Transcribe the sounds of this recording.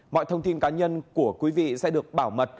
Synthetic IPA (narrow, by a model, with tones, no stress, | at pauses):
mɔ̰˧˨jt̪ʰə˧wŋ͡mt̪i˧nkaː˨˦ɲə˧nku˧˩əkwi˨˦vḭ˧˨sɛ̰˧˥ɗɨ˨˩ək̚ɓaː˧˩wmə˨˩t̚